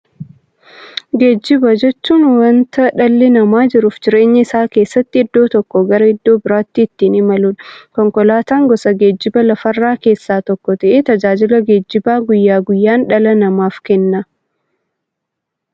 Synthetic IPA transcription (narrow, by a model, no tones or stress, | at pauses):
ɡe̞ːd͡ʒːɪbɐd͡ʒɛt͡ʃːuːnwɐnt̪ɐᶑɐlːɪnɐmaːd͡ʒɪɾʊːfd͡ʒɪɾe̞ːɲːɐɪsaːke̞ːsːɐt̪ːɪːd̪ːo̞ːt̪ɔkːɔɡɐɾɐɪd̪ːo̞ːbɪɾaːt̪ːiːt̪ːiːnɪmɐlʊᶑɐkɔŋkɔlaːt̪aːŋɡɔsɐɡe̞ːd͡ʒːɪbɐlɐfɐrːaːke̞ːsːaːt̪ɔkːɔt̪ɐʔeːt̪ɐd͡ʒaːd͡ʒɪlɐɡe̞ːd͡ʒːɪbaːɡʊjːaːɡʊjːaːnᶑɐlɐnɐmaːfkɛnːɐ